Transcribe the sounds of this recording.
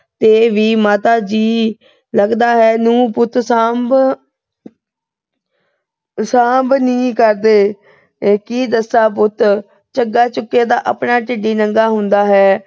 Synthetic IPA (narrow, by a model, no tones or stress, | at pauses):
t̪eːʋiːmaːt̪aːd͡ʒiː | ləɡd̪aːɦɛːnũːpʊt̪saːb | sãːmbnĩːkəɾd̪eː | kiːd̪əsaːpʊt̪ | t͡ʃəɡaːt͡ʃʊkːeːd̪aːʔəpɳaːʈɪɖiːnəŋɡaːɦʊ̃nd̪aːɦɛː